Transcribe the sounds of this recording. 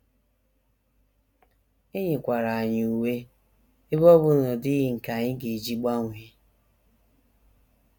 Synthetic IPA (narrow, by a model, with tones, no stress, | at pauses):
ɪ˦ɲɪ˨kʷa˨ɾa˨a˨ɲ˨u˨we˦ | ɪ˦βɔ˦βʊ˦nɔ˨dɪ˦ɣɪ˨ŋ̩˨ka˨ɲɪ˦ɡe˨d͡ʒi˦ɡ͡ba˦ŋʷ˨e˦